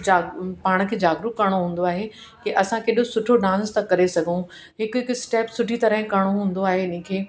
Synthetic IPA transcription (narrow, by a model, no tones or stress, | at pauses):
d͡ʑaːɡpaːɽ̃̆kʰeːd͡ʑaːɡɾʊkɐɽ̃oɦũːn̆d̪oaːɦe | kiʔɐsãkeːɗosʊʈʰoɖãːnst̪ɐkɐɾesɐɡʱũ | ɦɪkʊɦɪkʊɪsʈɛːpsʊʈʰit̪ɐɾəɦɪ̃kɐɽ̃oɦũːn̆d̪oaːɦeɪn̤ĩ̆kʰeː